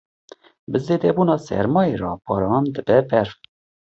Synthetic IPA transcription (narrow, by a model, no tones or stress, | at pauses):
bɨzeːd̪ɛbuːnɑːsɛ̰ɾmɑːjeɾɑːbʰɑːɾɑːnd̪ɨbɛbɛɾf